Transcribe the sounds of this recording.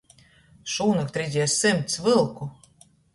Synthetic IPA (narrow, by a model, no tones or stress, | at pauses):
ʃuːnak̚t̪ɾizʲiɛsːɨmʲt̪svɨlˠku